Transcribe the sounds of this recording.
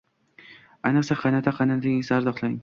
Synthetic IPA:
ajnɨqsaqʰɑjnat̪ʰaqʰɑnat̪ʰasaɾzɒχlˠaɪŋ

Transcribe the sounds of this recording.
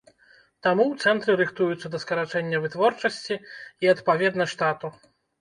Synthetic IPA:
t̪amuwt̪sɛnt̪ɾɨɾɨxt̪ujut̪sːɐd̪ɐskɐɾat͡ʂɛnʲːɐvɨt̪vɔrt͡ʂɐsʲt͡sʲiiɐt̪pavʲɛd̪nɐʂt̪at̪u

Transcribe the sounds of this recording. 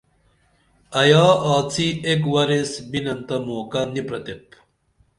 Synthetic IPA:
ɐjaːaːt͡sʰiekwɐɾesbinɐnt̪ɐmoːkɐnipɾɐt̪ep̚

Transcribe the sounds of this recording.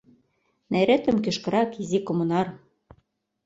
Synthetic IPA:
neɾet̪ɘ̆mkø̆ʃkɤ̆ɾɑkizikomɤ̆nɑr

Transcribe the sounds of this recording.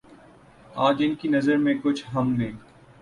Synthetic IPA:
aːd͡ʒɪnkinɐzəɾmẽkʊt͡ʃʰɦɐmnẽː

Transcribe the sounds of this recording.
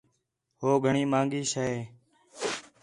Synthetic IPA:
ɦoːɡʱəɳiːmãːŋɡiːsəeː

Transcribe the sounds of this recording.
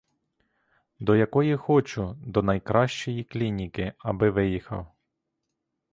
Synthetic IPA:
d̪ɔjɐkɔjixɔt͡ʃʊd̪ɔnɐjkɾɑʃt͡ʃɔjiklʲinʲikɪɐbɪʋɪjixɐ̰w

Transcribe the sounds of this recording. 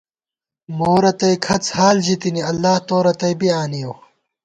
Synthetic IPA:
moːɾɐt̪ɐjkʰɐt͡shaːld͡ʑit̪iniɐlːaːht̪oːɾɐt̪ɐjbiaːnijow

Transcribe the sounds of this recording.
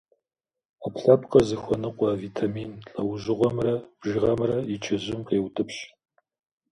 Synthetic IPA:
apɬɐpqɐzɨxʷɔnɨqʷɑːviːtʰamiːnɬʼɐwʑɪʁʷɐmrɐb̥ʒɪʁɐmrɐjɪt͡ʃʰɪʑɪmqeːwtʰʼɨpɕ

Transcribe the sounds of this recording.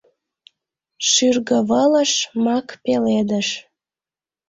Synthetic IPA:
ʃyrɣə̆βələʃmɑkpeled̪əʃ

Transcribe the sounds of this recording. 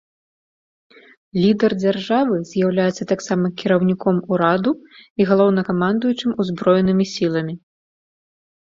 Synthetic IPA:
lʲid̪ɛrd͡zʲarʐavɨzʲjawlʲajɛt̪sːɐt̪aksamɐkʲiɾɐwnʲikɔmuɾad̪uiɣalˠɔwnɐkamand̪ujut͡ʂɨmuzbɾɔjɛnɨmʲisʲilˠɐmʲi

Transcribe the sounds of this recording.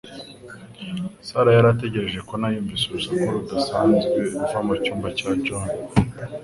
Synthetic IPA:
saɾajaɾat̬e̞ɟe̞ɾe̞ʒe̞ko̞najuːɱviseɾusakuɾudasaːnzɡwe̞uvamacuːmbacaːcoːno

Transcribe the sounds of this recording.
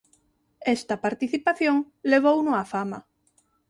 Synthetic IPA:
est̪ɐpaɾt̪iθipaθjoŋ | leβ̞ownʊafamɐ̰

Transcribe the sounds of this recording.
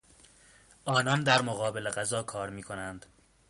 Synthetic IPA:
ʔɒːnɒnd̪æɾmoɣɒːbe̞leɣæzɒːkʰɒːɾmiːkʰo̞nænd̪̥

